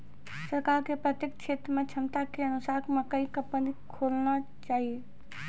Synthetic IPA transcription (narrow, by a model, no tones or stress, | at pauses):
səɾkaːɾkepɾət̪jek̚t͡ʃʰet̪ɾəmẽt͡ʃʰəmt̪akeənʊsaːkmekəikəpənikʰolna | t͡ʃaːɦie